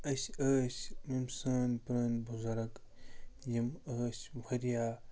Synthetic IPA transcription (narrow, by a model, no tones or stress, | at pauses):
ɐsʲəːsmimsaːnpɾɐːnbuzɐɾɐk | jɐməːsbʱɐɾjaː